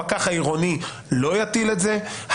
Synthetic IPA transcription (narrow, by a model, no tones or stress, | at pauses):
akaχaiʁoni | lo̞jat̪ile̞tzeh